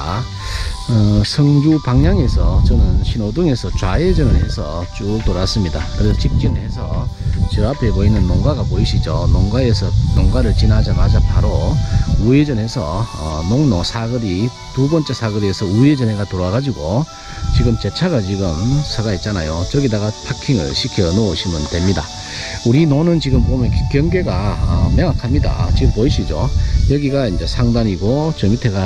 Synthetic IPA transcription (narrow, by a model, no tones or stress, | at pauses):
ʌsʰʌŋɡupaŋɲaŋe̞sʰʌt͡ɕʌnɯnɕʰinoduŋe̞sʰʌt͡ɕwaed͡ʑʌnɯɭɦe̞sʰʌ̰t͡ɕuk̚t͈oɾas͈ɯmɲida̰kɯɾesʰʌt͡ɕip̚t͡ɕ͈inhe̞sʰʌ̰t͡ɕɯapʰeboinːɯnːoŋɡwaɡapoiɕʰid͡ʑonoŋɡae̞sʰʌnoŋɡaɾɯɭt͡ɕinad͡ʑamad͡ʑapaɾoued͡ʑʌnɦe̞sʰʌ̰ʌnoŋnosʰaɡɯɾi | tubʌnt͡ɕ͈esʰaɡɯɾiesʰʌued͡ʑʌne̞ɡatoɾaɡad͡ʑiɡo | t͡ɕiɡɯmt͡ɕe̞t͡ɕʰaɡat͡ɕiɡɯmsʰaɡait̚t͡ɕ͈anajot͡ɕʌɡidaɡapʰakʰiŋɯ̰ɭɕʰikʰjʌnoɯɕʰimɯntwe̞mɲida̰ | uɾinonɯnt͡ɕiɡɯmpomjʌnkkjʌŋɡeɡaʌmeŋakʰamɲida̰t͡ɕiɡɯmpoiɕʰid͡ʑojʌɡiɡaind͡ʑe̞sʰaŋdaɲiɡot͡ɕʌŋmitʰe̞ɡa